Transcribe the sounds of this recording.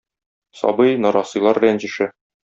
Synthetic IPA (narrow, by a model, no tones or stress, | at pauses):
sɒ̰bɤjnɒɾɑsɤ̆jlˠɑɾblʲænʑɘ̆ʃɘ